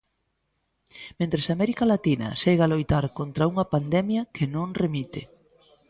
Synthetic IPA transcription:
mẽnt̪ɾesamɛɾikɐlat̪inɐ̰seɣalojt̪aɾkont̪ɾɐuŋɐpand̪ɛmjɐkʰenõŋremit̪ḛ

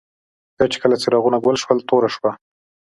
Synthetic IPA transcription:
d̪̥at͡ʃe̥kəlat͡sɪɾɑɣunaɡwəlʃwəlt̪oɾaʃwa

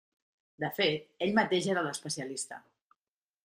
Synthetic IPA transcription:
d̪əfet̪̚eʎmət̪eʒeɾələspəsiəlist̪ə̰

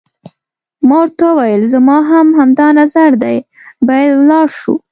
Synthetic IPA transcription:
mɑɾt̪əwajəlzamɑɦamhamd̪ɑnazaɾd̪aj | bɑjad̪wlɑɾʃṵ

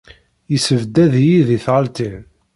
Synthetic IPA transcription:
jəsəvd̪ːæðjiðiθʁəlt̪i

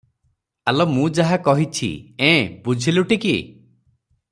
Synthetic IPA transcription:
alɔmũd͡ʒaɦakɔɦit͡ʃʰḭẽbud͡ʒʱiluʈikḭ

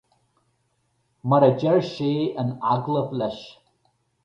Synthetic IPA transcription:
məɾəd͡ʒɛɹʃeːəna̰ɡlˠəflɛʃ

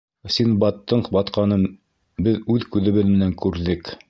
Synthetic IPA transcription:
sinbɑt̪ːɤɴbɑt̪qɑnɤn | bɘðʉðkʉðɘ̆βɘðmɘ̆næŋkʉɾðɘk

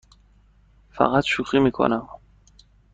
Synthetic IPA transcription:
fæ̰ɣat̪ʃuxiːmiːkʰo̰næm

